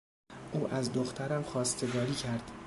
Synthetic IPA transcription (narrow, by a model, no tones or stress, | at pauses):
ʔuːʔæzd̪oxt̪ʰæɾæmxɒːst̪ʰe̞ɡɒːɾiːcʰæɾd̪̥